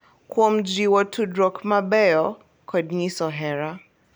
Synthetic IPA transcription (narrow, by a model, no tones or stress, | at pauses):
kuɔm̩d͡ʒiwɔtʰudɾɔkmaɓɛɔ | kʰɔdɲisɔɦɛɾa